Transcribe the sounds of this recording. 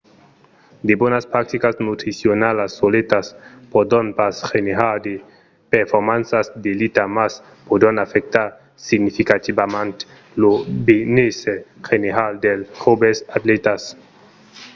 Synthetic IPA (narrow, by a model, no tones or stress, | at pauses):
d̪ebonaspɾak̚t̪ikasnut̪ɾisionalasːolet̪aspod̪onpasxeneɦad̪e | peɾfomansasd̪elit̪amas | pod̪onafek̚t̪a | siɡnifikat̪ibamant | lobineseχeneɦald̪elχobesat̪let̪as